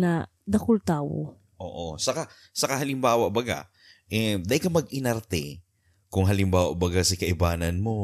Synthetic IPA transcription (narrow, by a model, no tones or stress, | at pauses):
nɐ | d̪ɐkʊlt̪aːwo̰ | ʔo̰ːʔosɐka | sɐkaɦɐlɪmbaːwɐʔbɐɡa̰ | ʔɛd̪ɐʔɪkɐmɐɡɪnɐɾt̪ɛ̰ | kʊŋɦɐlɪmbaːwɐ̰ʔbɐɡasɐkɐʔɪbaːnɐnmo̞